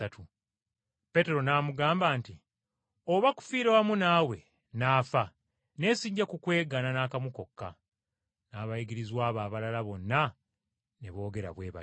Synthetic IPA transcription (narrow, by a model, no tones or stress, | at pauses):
atʰu | pe̞te̞ɾo̞naːmuɡaːmbaːnti | oβaku̥fiːɾewamunaːwe̞ | naːfa | ne̞ːsiːɲɟakukwe̞ːɡananaːkamuko̞kːa̰ | naːβaiɡiɾizwaːβaːβalalaβo̞nːa | neβo̞ːɡe̞ɾa̰βwe̞ːβa̰